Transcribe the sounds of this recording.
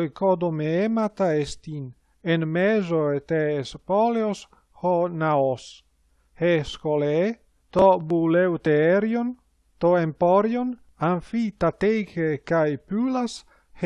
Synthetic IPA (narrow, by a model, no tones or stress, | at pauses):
jkod̪omeemat̪aest̪in | enmezoet̪espɔleos | honaos | heskolee | t̪obulewt̪eeɾjon | t̪oempoɾjon | aɱfit̪at̪ejkekajpylas | h